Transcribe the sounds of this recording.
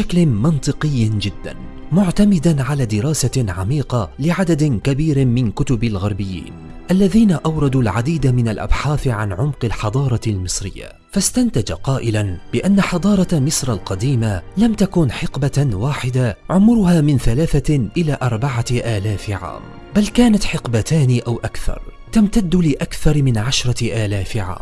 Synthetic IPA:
ʃaklmɪnt̪ˤɨqɨjːd͡ʒɪd̪ːa̰n | mʊʕt̪amɪd̪anʕalaːd̪ɪɾɑːsaʕamiːqɑlɪʕad̪ad̪kabiːɾmɪnkʊt̪ʊbalɣɑɾˤbɪjːḭːn | ʔalːaðiːnaʔawɾˤɑd̪uːlʕad̪iːd̪amɪnalʔa̰bħaːθʕanʕʊmqɪlħɑd̪ˤɑːɾˤɑlmɨsˤɾɪjːa̰ | fast̪ant̪ad͡ʒa̰qɑːʔɪlanbɪʔanːaħɑd̪ˤɑːɾˤɑmɪsˤɾˤɑlqɑd̪iːmalamt̪akʊnħɪqbawaːħɪd̪aʕʊmʊɾʊhaːmɪnθalaːθaʔɪlaːʔɑɾˤbaʕaʔaːlaːfʕa̰ːm | balkaːnat̪ħɪqbat̪aːnɪʔawʔakθɑ̰ɾˤ | t̪amt̪ad̪ːʊlɪʔakθɑɾˤmɪnʕaʃɾˤɑʔaːlaːfʕa̰ːm

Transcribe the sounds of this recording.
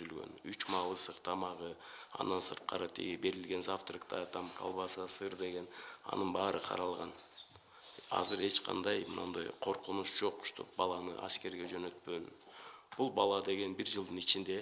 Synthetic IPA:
ylɡø̞̰nyt͡ʃmɑlˠɯsɯqt̪ʰɑmɑʁɯɑ̰nd̪ɑnsɯɾt̪̚qɑ̰ɾɯt̪ʰḭɡibe̞ɾilɡe̞nzaft̪rikt̪ɑt̪ʰɑmkʰɑ̰lˠβɑsɑsɯɾd̪e̞ɡe̞nɑ̰nɯnbɑːɾɯqʰɑ̰ɾɑlˠʁɑn | ɑ̰zɯɾe̞t͡ʃqʰɑ̰nd̪ɑjmnond̪ojqʰo̞ɾqunuʃd͡ʒo̞qʃt̪ʰo̰p̚bɑlˠɑnɯ̰ʔɑ̰ske̞ɾɡe̞d͡ʒø̞nø̞t̪̚pøn | b̥ulˠbɑlˠɑd̪e̞ɡe̞nbiɾd͡ʒɯlˠd̪ɯnit͡ʃind̪e̞

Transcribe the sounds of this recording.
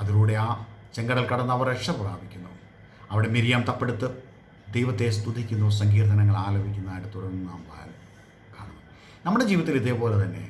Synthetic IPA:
ɐðiɾuːɽe̞aːt͡ɕeŋɡɐɽɐlkɐɽɐnːɐʋɐrekʂɐpːra̰ːbʱikʲːunːu | ɐʋiɽe̞miɾijaːmt̪ɐpːeɽut̪ːɨ | d̪ejʋɐt̪ːe̞s̬t̪ud̪ʱikʲːunːusɐŋɡiːrt̪ʰɐnɐŋːɐɭaːlɐbʱikʲːunːɐðaːjʈːɨt̪uɽɐrnunaːmpaːɾɐ | kaːɳɐ | nɐmːuɽe̞d͡ʑiːʋiɐt̪ːiliðeːpo̞ːlet̪ɐnːe̞̰

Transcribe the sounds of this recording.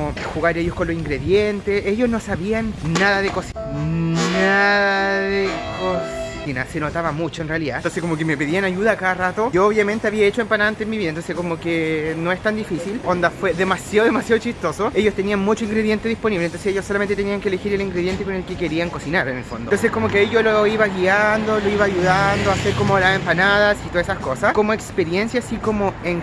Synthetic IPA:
oxuɣaɾeʝoskonlosiŋɡɾeðjent̪eseʝosno̞saβianːaðaðekosi | naðaðekos | inase̞not̪aβamut͡ʃoenrealiða̰nt̪onsekomokemepeðianaʝuðakaðarat̪oʝooβjame̞nt̪eaβiaet͡ʃoempanaant̪enmiβiðant̪onsekomokenoest̪and̪ifisilond̪afweðemasjaoðemasjaðot͡ʃist̪o̞soejost̪enianmut͡ʃoiŋɡɾeðje̞nt̪e̞ðispo̞niβlent̪onseseʝjosːolamnt̪eeniaŋkeːle̞xiɾeliŋɡɾeðje̞nt̪eko̞nelkekeɾiaŋko̞sinaɾenelfo̰nd̪ot̪onsekomokeejoloiβaɣiand̪oloiβaːjuðand̪oaseɾkomolasempanaðasit̪oasesasko̞saskomoekspeɾjensjaːsikomoeŋ

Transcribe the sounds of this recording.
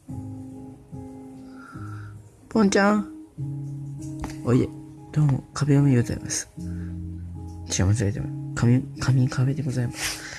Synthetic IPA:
põɲt͡ɕã | oit̪ed̪̥oːmo̰kʰabeomeioza̰ḭmasɨ̥ | t͡ɕia̰mat͡siɾet̪emkaikʰamʲikʰabet̪eɡozaimasɨ̥

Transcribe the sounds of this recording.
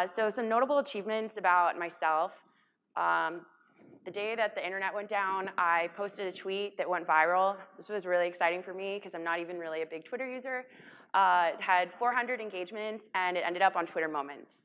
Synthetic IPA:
soʊsʌ̃mnoʊɾəbl̩ˠət͡ʃʰivmɨ̃ntsɨbaʊt̚maɪsɛlˠf | ʔʌ̃ | ðɨdeɪðɨt̪̚ðiɪ̃ɾ̃ə˞nɛʔ̚wɛ̃nd̥ãʊ̃naɪpʰoʊstɨɾɨtʰw̥it̪̚ðɨʔ̚wɛ̃ntvaɪɹl̩ˠðɪswʌzɹɪlˠiɨksaɪɾɪ̃ŋfə˞mikʰʌzãɪ̃mnəɾivɨ̃nɹɪlˠiɨbɪɡ̚tʰwɪɾə˞jʉzə˞ | ʔʌɨd̥fɔɹɦʌ̃ndɹɨɾɨ̃nɡeɪd͡ʒmɨ̃ntsɨ̃nɨɾʔɛ̰̃ndɨɾʌpn̩tʰw̥ɪɾə˞mõʊ̃mɨ̃nts

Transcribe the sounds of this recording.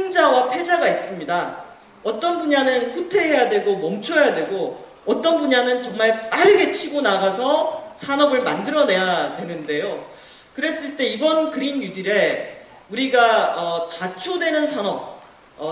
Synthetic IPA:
eŋd͡ʑawapʰjed͡ʑaɡais͈ɯmɲida | ʌt͈ʌnbuɲanɯnkʰutʰe̞ɦe̞jadwe̞ɡomʌmt͡ɕʰʌjadwe̞ɡo | ʌt͈ʌnbuɲanɯnt͡ɕʌŋmaɭp͈aɾɯɡe̞t͡ɕʰiɡonaɡasʰʌsʰanʌbɯɭmandɯɾʌne̞jadwe̞nɯnde̞jo | kɯɾe̞s͈ɯɭt͈e̞ibʌnkɯɾinjudiɾe̞ | uɾiɡaʌt͡ɕat͡ɕʰudwe̞nɯnsʰanʌp̚ | ʌ

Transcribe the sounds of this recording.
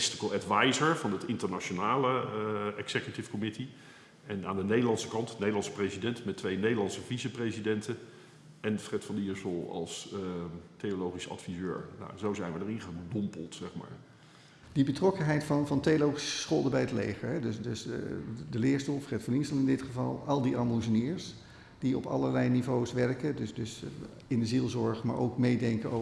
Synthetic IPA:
stɪkəlˠɛtʋajzəɹvɑnətɪntəɹnat͡ʃonaːləɛksɛkjutɪfkomɪti | ɛnaːndənejdəlɑnsə̥kɑntnejdəlɑnsə̥prejzidɛntmɛtʋejnejdəlɑnsəvisəprejzidɛntə | ɛnfrɛtfɑniəɹsəlˠɑ̰lˠs | tejolowχisɑ̰tfizø̰ːɹna̰zowzɛjnʋədərɪ̃ŋχədɔmpəlˠtsɛχma̰ːɹ | dibətrɔkənɦɛjtfɑnvɑntejolowχisəə̥sχɔlˠdəbɛjətlejχəɹɦɛdøsdøsdəlɪːɹstolˠfrɛtfɑniɹsəlˠɪndɪtχəvɑ̰lˠɑlˠdiʔɑmuzəniːɹs | d̥iɔpɑ̰lˠəɹlɛjnivowsʋɛɹkədøsdøs | ɪndəzilˠzɔɹχma̰ːɹʔo̰wkmejdɛŋkəo

